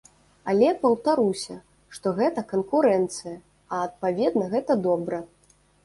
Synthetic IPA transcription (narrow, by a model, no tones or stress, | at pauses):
ɐlʲɛpɐwt̪aɾusʲɐ | ʂt̪ɔɣɛt̪ɐkɐnkuɾɛnt̪sɨjɐ | ɐːt̪̚pavʲɛd̪nɐɣɛt̪ɐd̪ɔbɾɐ